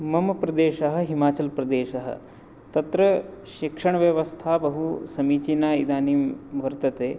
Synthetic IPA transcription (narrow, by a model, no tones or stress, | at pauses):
mɐmɐpɾɐd̪eːʃɐɦɐ̆ɦimaːt͡ʃɐlpɾɐd̪eːʃɐɦɐ̰ | t̪ɐt̪ɾɐʃikʂɐɳ̃ɐʋjɐʋɐst̪ʰaːbɐɦusɐmiːt͡ʃinaːid̪aːniːmʋɐɾt̪ɐt̪eː